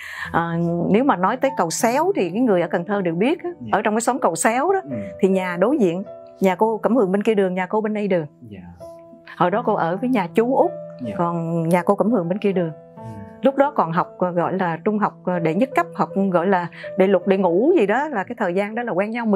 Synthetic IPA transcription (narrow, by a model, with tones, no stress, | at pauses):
ʔəː˨˩ne˨˦wmaː˨˩nɔ˨˦jt̪əː˨˦jkə˨˩wsɛ˨˦wt̪ʰi˨˩kaː˨˦jŋɨ˨˩əjʔəː˧˩kə˨˩ŋt̪ʰəː˧ɗɨ˨˩ək̚ɓi˦˥ət̚ʔaː˨˦ʔəː˧˩t͡ɕɔ˧wŋ͡mkaː˨˦jsə˨˦wŋ͡mkə˨˩wsɛ˨˦wɗɔ˨˦t̪ʰi˨˩ɲaː˨˩ɗo˨˦jzḭ˧˨ən | ɲaː˨˩ko˧kə˧˩mhɨ˨˩əŋɓe˧nki˧əɗɨ˨˩əŋɲaː˨˩ko˧ɓe˧nɗə˧jɗɨ˨˩əŋ | hɔ˧˨˩jɗɔ˨˦ko˧ʔəː˧˩vəː˨˦jɲaː˨˩t͡ɕu˨˦ʔʊ˦˥k͡p̚kɔ˨˩nɲaː˨˩ko˧kə˧˩mhɨ˨˩əŋɓe˧nki˧əɗɨ˨˩əŋ | lʊ˦˥k͡p̚ɗɔ˨˦kɔ˨˩nɦa˨˩wk͡p̚ɣɔ̰˧˨jlaː˨˩t͡ɕʊ˧ŋ͡mɦa˨˩wk͡p̚ɗe˧˩ɲə˦˥t̚kə˦˥p̚ha˨˩wk͡p̚ɣɔ̰˧˨jlaː˨˩ɗḛ˧˩lʊ˨˩k͡p̚ɗḛ˧˩ŋu˧˩zi˨˩ɗɔ˨˦laː˨˩kaː˨˦jt̪ʰəː˨˩jzaː˧nɗɔ˨˦laː˨˩kwɛː˧ŋɲa˧w